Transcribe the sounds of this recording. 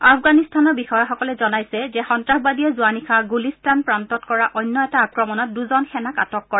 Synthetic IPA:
afʰɡanistanɔɹbixɔjaxɔkɔlɛzɔnajsɛzɛxɔntɹaɦbadiɛzuanixʰaɡulistanpɹantɔtkɔɹaʔɔjnːɔɛtaːkɹɔmɔnɔt̚duzɔnxɛnaka̰tɔkːɔɹa

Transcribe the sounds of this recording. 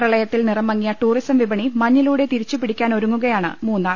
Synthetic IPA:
rɐɭɐjɐt̪ːilnirɐmːɐŋːijaɐʈuːrisɐmʋibɐɳimɐɲːiluːɽe̞t̪iɾit͡ɕːupiɽikʲːaːno̞ɾuŋːuɣɐjaːɳɨ̰muːnːaː

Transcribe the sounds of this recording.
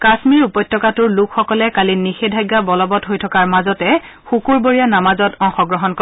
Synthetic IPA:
kasmiɹupɔjtːɔkatʊɹlukʰxɔkɔlɛkalinixedʱajɡːabɔlɔbɔtɦojtʰɔkaɹmazɔtɛ | xukuɹboɹijanamazɔtɔŋxɔɡɹɔɦɔnkɔ

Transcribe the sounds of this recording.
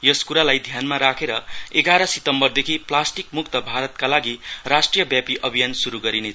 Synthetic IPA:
jʌskuɾalajd̪ʱjanmaɾakʰeɾʌeɡaɾʌsit̪ʌmbʌrd̪ekʰiplasʈik̚muk̚t̪ʌbʱaɾʌt̪kalaɡirasʈrijʌbjapiʔʌbʱijansuɾuɡʌɾinet͡sʰ

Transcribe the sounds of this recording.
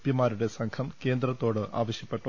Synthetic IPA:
pjɐmːaːɾuɽe̞sɐŋkʰɐmke̞ːnd̪rɐt̪ːoːɽɨʔʔa̰ːʋɐɕjɐpːe̞ʈːɐ

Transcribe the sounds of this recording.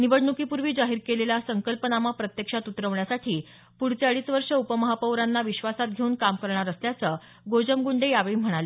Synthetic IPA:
niʋəɽɳukipuɾʋiːd͡zaɦiːɾkeleljasəŋkəlpənamapɾət̪jəkʂat̪ut̪ɾəʋɳjasaʈʰiː | puɽt͡saɭiːsʋəɾʂəupəməɦapəʋɾanːaʋiɕʋasat̪̚ɡʱeuːnkamkəɾɳaɾəsljat͡səː | ɡod͡ʑəmɡuɳɖejaʋejm̤əɽ̃alə

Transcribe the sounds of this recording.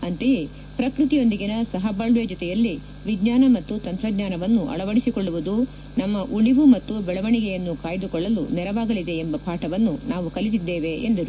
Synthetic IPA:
ɐnt̪eje̞ | pɾɐkɾut̪ijo̞nd̪iɡinɐsɐɦɐbaːɭʋjɛd͡ʒɔt̪ɛjɐlːi | ʋiɡɲaːnɐmɐt̪ːut̪ɐnt̪ɾɐɡɲaːnɐʋɐnːuʔɐ̰ɭɐʋɐɽisikoɭːuʋud̪u | nɐmːɐʔuɭiʋumɐt̪ːubɛɭɐʋɐɳiɡejɐnːukaːjɐd̪ukɔɭːɐlṵnɛɾɐʋaːɡɐlid̪e̞embɐpaːʈɐʋɐnːunaːʋukɐlit̪id̪ːeːʋe̞ʔend̪ɐɾu

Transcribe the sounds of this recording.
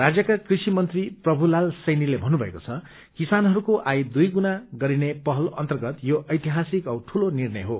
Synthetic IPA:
rad͡zjʌkakrisimʌnt̪riprʌbʱulalsʌjnilebʱʌnːubʱʌḛkot͡sʰʌ | kisanɦʌɾukoʔajd̪ujɡunaɡʌɾinepʌɦʌlʌ̰nt̪ʌrɡʌt̪joʔʌjt̪iɦasikʌwʈʰulonirnʌjɦo

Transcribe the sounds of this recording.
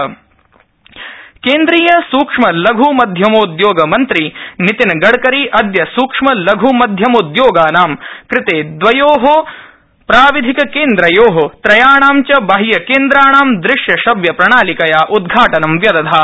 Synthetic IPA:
keːnd̪ɾiːjɐsuːkʂmɐlɐɡʱumɐd̪ʱjɐmoːd̪joːɡɐmɐnt̪ɾinit̪inɐɡɐɽkɐɾiʔɐd̪jɐsuːkʂmɐlɐɡʱumɐd̪ʱjɐmod̪joːɡaːnaːmkɾɪt̪eːd̪ʋɐjoːɦo | pɾaːʋid̪ʱikɐkeːnd̪ɾɐjoːɦot̪ɾɐjaːɳaːmt͡ʃɐbɐɦijɐkeːnd̪ɾaːɳaːmd̪ɾɪʂjɐʃɐbjɐpɾɐɳaːlikɐjaːʔud̪ɡʱaːʈɐnɐmʋjɐd̪ɐd̪ʱaː

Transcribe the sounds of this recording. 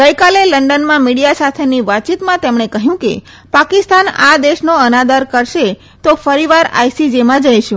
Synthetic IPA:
ɡəjkaleləɳɖənmãmiɽijasat̪ʰeniʋat͡ʃit̪mãt̪emɳ̃ekəɦjũke | pakist̪ana̰d̪eʃnoənad̪əɾkəɾʃe | t̪ofəɾiʋaɾa̰jsid͡ʒemãd͡ʒəjʃũ

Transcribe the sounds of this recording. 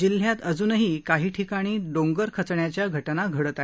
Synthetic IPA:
d͡ʑil̤ːjat̪əd͡zuːnəɦiːkaɦiːʈʰikaɽ̃iːɖoŋɡəɾkʰət͡sɳjat͡ɕjaɡʱəʈnaɡʱəɽət̪a

